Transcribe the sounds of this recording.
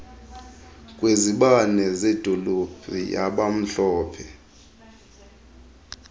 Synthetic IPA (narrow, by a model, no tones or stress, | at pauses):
kʼweziɓanɛzed̥ʱolub̥ʱija̰ɓam̩ɬɔːpʰɛ